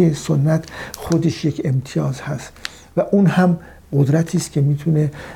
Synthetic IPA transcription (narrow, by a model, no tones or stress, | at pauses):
esonːæt̪ʰχod̪eʃjecʰe̞mt̪ʰijɒːzhæst̪ | væʔunhæm | ɢod̪ɾæt̪ʰiːst̪kcʰe̞miːt̪ʰune